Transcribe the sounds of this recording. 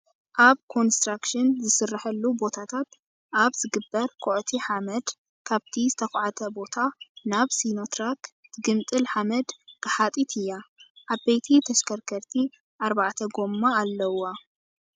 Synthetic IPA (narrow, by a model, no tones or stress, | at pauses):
ʔaβkʰo̞nst̪ɾakʃɪnzɨsɨrːaħɐlːubo̞t̪ʰat̪ʰat̪ | ʔaβzɨɡɨbːɐɾkʰoʕt̪ʰiħamɐd̪ | kʰaβt̪ʰizɨt̪ʰɐxʕat̪ʰɐbo̞t̪ʰanaβsino̞t̪ɾakt̪ʰɨɡɨmt̪ʼɨlħamɐd̪kɨħat̪ʼit̪ʰɨjːaʔabejt̪ʰit̪ʰɐʃkʰɐɾkʰɐɾt̪ʰi | ʔaɾbaʕt̪ʰɐɡo̞mːaːlːɐwːa